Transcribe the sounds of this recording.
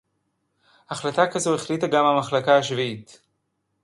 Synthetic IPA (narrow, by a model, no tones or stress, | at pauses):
haχlatakazoeχlitaɡamamaχlakaaʃviit